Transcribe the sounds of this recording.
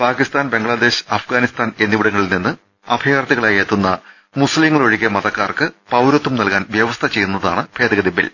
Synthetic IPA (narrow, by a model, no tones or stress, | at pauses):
paːkist̪aːnbe̞ŋɡɭɐd̪e̞ːɕɐfɡaːnist̪aːne̞nːiʋiɽɐŋːɐɭilninːɨ | ɐ̰bʱɐjaːrt̪iɣɐɭajeːt̪ːunːɐ | musliŋːɐɭoɻiɣːɐmɐðɐkːaːrkɨpɐwɾot̪ːumnɐlkaːnʋjɐʋɐst̪ʰɐt͡ɕe̞jːunːɐðaːɳɨb̥ʰʱe̞ːd̪ɐɣɐd̪ibːḭl